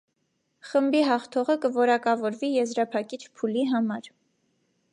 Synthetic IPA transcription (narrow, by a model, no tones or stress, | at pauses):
χəmbiɦɑχt̪ʰɔʁəkəvɔɾɑkɑvɔɾvijɛzɾɑpʰɑkit͡ʃʰpʰuliɦɑmɑɾ